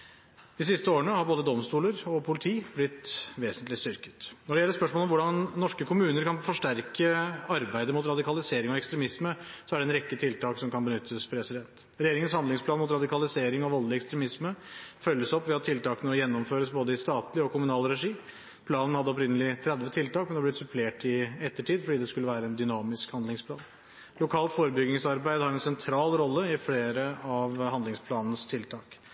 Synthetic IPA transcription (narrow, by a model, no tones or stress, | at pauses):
d̪̥ɪs̬ɪst̪əoːɾənəhɑɾboːd̪əd̪ɔmst̪uːləɾɔpʰʊlɪt̪ʰiːblɪt̪ʋeːsənt̪lɪst̪ʏɾkə̥t̪nɔɖɛɛlːəspœʂmoːlɔmʋʊɖɑnnɔʂkəkʰʊmʉːnəɾkɑnfɔʂʈæɾkəɑɾbæɪd̪əmʊt̪ɾɑd̪ɪkɑlɪseːɾɪŋɔɛkst̪ɾɛmɪsməsɔæɖɛnɾɛkːət̪ʰɪlt̪ɑːksɔmkɑnbənʏt̪ʰːəspʰɾɛsɪd̪ɛnt̪ | ɾɛjeːɾɪŋənshɑnd̪ɪŋsplɑːnmʊt̪ɾɑd̪ɪkɑlɪseːɾɪŋɔʋɔlːɪɛkst̪ɾɛmɪsməfœlːəsɔpːʋɛɑt̪ʰːɪlt̪ɑːkənənɔjɛnːɔmføːɾəsboːd̪əɪst̪ɑːt̪lɪɔkʊmʉnɑːlɾɛʂiː | pʰlɑːnən̩hɑd̪ːəɔp̬ɾɪnːəlɪt̪ʰɾɛd̪ʋət̪ʰɪlt̪ɑːk̚mɛnɛɑblɪt̪sʉpʰleːʈɪɛt̪ːəʈʰiːd̪fɔɖiːd̪ɛskʉlːəʋæːɾəɛnd̪ʏnɑːmɪskhɑnd̪lɪŋspʰlɑːn | lʊkʰɑːlt̪foːɾəbʏɡɪŋsɑɾbæɪd̪əhɑɾɛnsɛnt̪ʰɾɑːlɾɔlːəɪfleːɾəɑʋhɑnd̪lɪŋspʰlɑːnn̩st̪ʰɪlt̪ʰɑːk